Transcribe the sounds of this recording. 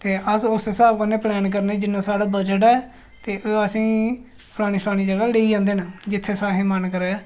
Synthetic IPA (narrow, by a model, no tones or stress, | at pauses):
t̪eːʔəsʊssaːbkəneːplɛːnk̬əɾneːd͡ʒɪnːãːsaːɽaːbəd͡ʒəʈɛː | t̪eːʔoəsĩː | pʰəlaːɽ̃niːslaːɽ̃iːd͡ʒəɡaːleːiːd͡ʒãːnd̪eːnad͡ʒɪt̪ʰːeːsaːɦeːmənkəɾɛː